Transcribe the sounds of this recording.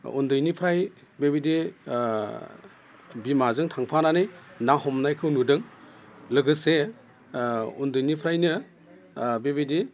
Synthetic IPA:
ṵndɯjnipʰɾaj | bebide | bimazɯŋtʰaŋpʰananɯjnaɦɔmnajkʰɯwnudɯŋ | lɯɡɯse | ṵndɯjnipʰɾajnɯ | bebide

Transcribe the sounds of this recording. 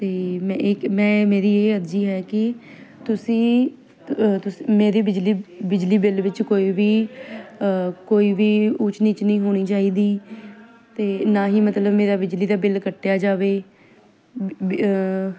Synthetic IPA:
t̪eːmɛ̃mɛ̃ːmeːɾiːeːət̪d͡ʒiːɦɛːkɪ | t̪ʊsĩː | t̪ʊsmeːɾeːbɪd͡ʒliːbɪd͡ʒliːbɪlʋɪt͡ʃkoːiːʋiː | koːiːʋiːut͡ʃniːt͡ʃnĩːɦoːɽ̃iːt͡ʃaːiːd̪iː | t̪eːnaːɦiːmət̪ləbmeːɾaːbɪd͡ʒliːd̪aːbɪlkəʈːejaːd͡ʒaːʋeː

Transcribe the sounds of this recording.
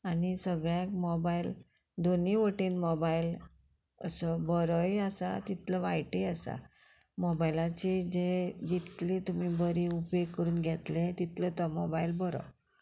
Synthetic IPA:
anisəɡɭjãkmɔbail | d̪oniʋəʈĩːnmɔbail | ə̰səbəɾɔjasa̰t̪it̪ləʋajʈiasa̰ | mɔbailat͡ɕed͡ʑed͡ʑit̪let̪umibəɾiupekːəɾuːnɡʱɛt̪let̪it̪lət̪ɔmɔbailbəɾɔ̰

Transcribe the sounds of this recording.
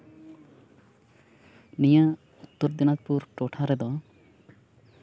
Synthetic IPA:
nija | ut̪ːɔɾd̪inat̪̚puɾʈɔʈʰaɾɛd̪ɔ

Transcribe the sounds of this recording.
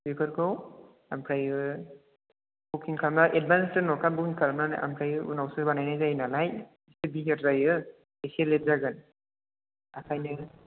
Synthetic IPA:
bikʰɯɾkʰɯw | a̰mpʰɾajɯ | kukiŋkʰaɾmnaʔed̚bʱanstɯnɔkʰabukiŋkʰaɾmana̰mpʰɾajɯunawsɯbanajnajzajnalaj | istɯbiɦetzajɯ | esielet̚zaɡɯn | akʰajnɯ

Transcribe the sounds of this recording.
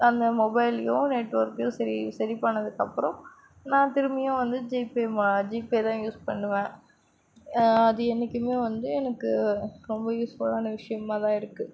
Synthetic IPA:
ɐnd̪ɐmɔbɐɪljõːneːʈːʋɐɾkosɐɾisɐɾipɐɳːɐðɯkːɐpːɯɾɔ̃ | nãːt̪ɪɾɯmɪjãʋɐnd̪ɯd͡ʒipemd͡ʒipeːt̪ãːjuːspɐɳːɯʋẽː | ɐðɯɛnːɪkːɯmeːʋɐnd̪ɯɛnɐkːɯɾɔmbɐjuːsfʊlaːnɐʋɪʂɐjɐmaːt̪ãːɪɾɯkːɯ

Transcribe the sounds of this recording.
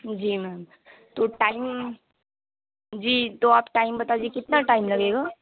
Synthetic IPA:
d͡ʑiːmɛm | t̪oʈaim | d͡ʑiːt̪oapʈaimbət̪ad͡ʑiːkit̪naʈaimləɡeɡə

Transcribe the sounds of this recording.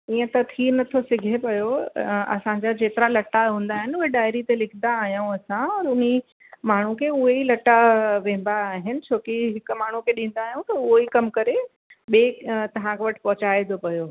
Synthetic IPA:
iːə̃t̪ɐt̪ʰinɐt̪ʰosɪɡʱepɐjoɐ̰sãɲd͡ʑad͡ʑeːt̪ɪɾalɐʈaɦũːn̆d̪aːɦɪnɪʊɦeɗaːɪɾit̪elɪkʰnd̪aːɦijũɐsãɔːɾʊn̤i | maːɳ̤ukʰeʊɦeilɐʈaʋẽːn̆d̪aːɦɪnɪ̆t͡ɕʰoːkiɦɪkʊ̆maːɳ̤ukʰeɗĩːn̆d̪aːɦjũt̪ɐʊɦoikɐmkɐɾe | ɓeːt̪ɐʋ̤ãkʰeʋɐʈʰɪ̥pɔɦʊt͡ɕaːɪnd̪opɐjoː

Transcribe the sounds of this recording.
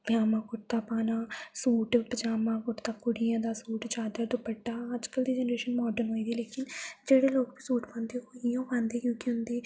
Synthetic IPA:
bʱjaːmãːkʊʈ̚t̪aːpaːnaːsuːʈpəd͡ʒaːmãːkʊʈt̪aːkʊɽɪjãːd̪aːsuːʈt͡ʃaːd̪aːd̪opəʈːaːɐd͡ʒkəld̪iːd͡ʒɛnɾeːʃənmɔːɖəɾnɦoːĩd̪ileːkɪnd͡ʒeːɽeːloːkpisuːʈbãːnd̪eːɦoːijõːbãːnd̪eːkjõːkiʊnd̪eː

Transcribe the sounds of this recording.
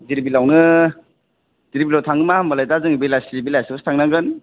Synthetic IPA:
diɾibilawnɯ | z̥iɾibilawtʰaŋɯmahambalajtazɯŋibilajsiɾibilajsstʰaŋnaɡɯn

